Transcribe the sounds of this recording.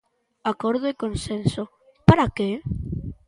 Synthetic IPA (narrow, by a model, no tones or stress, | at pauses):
akoɾðoekõnsenso | paɾake